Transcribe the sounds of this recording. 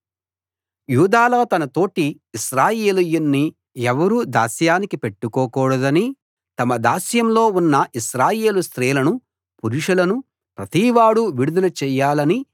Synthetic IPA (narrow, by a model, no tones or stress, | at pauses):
juːd̪aːlɐːt̪ɐnɐt̪o̞ːʈiː | ʃɾaːjeːlujunːi | ɛʋɐɾuːd̪aːsjaːnikipe̞ʈːukɔːkɔːɽɐd̪ɐni | t̪ɐmɐd̪aːsjɐmlo̞ːunːɐʔiʃɾaːje̞ːlust̪ɾɛːlɐnu | puɾuʂulɐnu | pɾɐt̪iːʋaːɽuʋiɽud̪ɐlɐt͡ʃɛːjːaːlɐni